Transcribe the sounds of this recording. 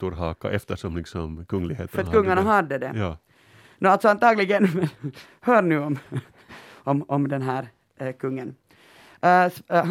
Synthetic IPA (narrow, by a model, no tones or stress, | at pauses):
t̪uɾɦɑːka̰ʔɛft̪əʂɔmlɪksɔmkʰɵŋːlɪɡhḛːtfœɾt̪kʰɵŋːaɳaɦɑd̪ːəd̪ɛ̰ | nalt̪sɔɑnt̪ʰɑːɡlɪɡən | høːɾnʉːɔm | ɔmʔɔmd̪ɛnɦæːɾ | kʰɵŋːən